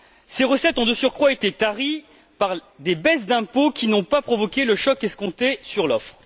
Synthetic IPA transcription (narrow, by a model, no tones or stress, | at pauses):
seʁəsɛt̪ɔ̃d̪əsyʁkχwaet̪et̪aʁi | paʁ | d̪ebɛs̬d̪ɛ̃pokʲinɔ̃papχɔvɔkʲeləʃɔkɛskɔ̃t̪esyʁlɔfχ